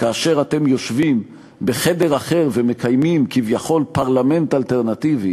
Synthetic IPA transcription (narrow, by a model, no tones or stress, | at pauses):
kaːʃe̞ʁate̞mjo̞ʃvim | be̞χe̞de̞ʁaχe̞ʁve̞me̞kajmimkivjaχo̞lpaʁlame̞ntalteʁnat̪ivi